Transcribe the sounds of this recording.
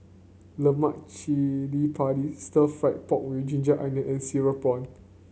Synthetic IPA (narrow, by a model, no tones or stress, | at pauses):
ləmaʔ̚t͡ʃilipʰatistəlfaɪt̚pɔk̚wid͡ʒĩnd͡ʒaʔãndəʔɛ̃nsiɹəpɔ̃n